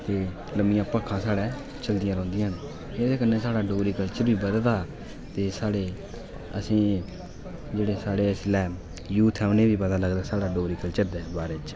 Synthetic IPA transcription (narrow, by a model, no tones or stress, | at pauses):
t̪eː | ləmɪjãːpəkʰːãːsaːɽɛː | t͡ʃəld̪ɪjãːɾɔ̃ːnd̪iːən | ed̪eːkənːeːsaːɽaːɖoːɾiːkəlt͡ʃəbiːbəd̪ld̪aː | t̪eːsaːɽeː | ə̰sĩː | d͡ʒeːɽeːsaːɽeːslɛː | juːt̪ʰɛːʊneːbiːbəd̪aːləɡd̪aːsaːɽaːɖoːɾiːkəlt͡ʃəɾd̪ɛːbaːɾeːt͡ʃ